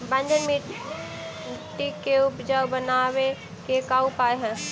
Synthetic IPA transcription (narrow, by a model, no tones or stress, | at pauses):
bə̃nd͡ʒənmi | ʈikːeʊpd͡ʒaubənawe | kekaːupaːeɦɛ̃